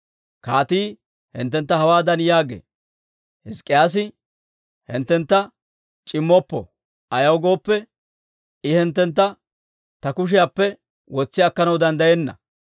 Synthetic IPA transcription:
kaːt̪iː | hɪ̰nt̪̬ːɛnt̪ːɐhɐwaːd̪ɐnjaːɡḛː | hɪskʼːɪjaːs̬ɪ | hɪ̰nt̪ːɛnt̪ːɐ | t͡ʃʼɪmːɔpːɔ | ɐjɐwɡo̞ːpːɛ | ɪhɛnt̪ːɛnt̪̬ːɐ | t̪ɐkʊʃ̬ɪjaːpːɛ | wɔt͡sːɪɐkːɐnɐwd̪ɐnd̪ɐjɛnːɐ̰

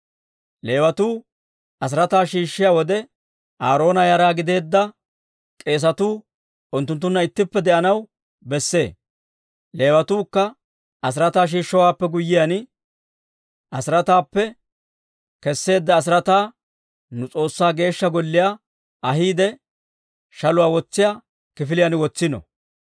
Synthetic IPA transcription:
le̞ːwɐt̪uː | ʔɐs̬ɪɾɐt̪aːʃiːʃːɪjaːwɔd̪ɛ | ʔaːɾo̞ːnɐjɐɾaːɡɪd̪e̞ːd̪ːɐ | kʼe̞ːs̬ɐt̪uː | ʊnt̪ːʊnt̪ːʊnːɐɪt̪ːɪpːɛd̪ɛʔɐnɐw | bɛsːe̞ː | le̞ːwɐt̪uːkːɐ | ɐs̬ɪɾɐt̪aːʃ̬iːʃːɔwaːpːɛɡʊjːɪjɐnɪ | ʔɐsɪɾɐt̪aːpːɛ | kɛsːe̞ːd̪ːɐːs̬ɪɾɐt̪aː | nʊt͡sʼo̞ːsːaːɡe̞ːʃːɐɡɔlːɪjaː | ɐɦiːd̪ɛ | ʃɐlʊwaːwɔt͡sːɪjaː | kɪfɪlɪjanwɔt͡sːɪnɔ̰

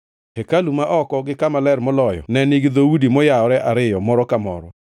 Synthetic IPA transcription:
hɛkalumaʔɔkɔɡɪkamalɛɾmɔlɔjɔ̰nɛniɡd̪oudimɔjaɔɾɛʔaɾɪjɔmɔɾɔkamɔ̰ɾɔ

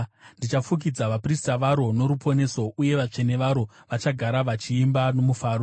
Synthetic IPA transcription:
ndit͡ʃafuk̬id͡zaʋapristaʋaɾo̞no̞ɾupʰo̞ne̞so̞uje̞ʋat͡ʂe̞ne̞ʋaɾo̞ʋat͡ʃaɡʱaɾaʋat͡ʃiːmbano̞mufaːɾo

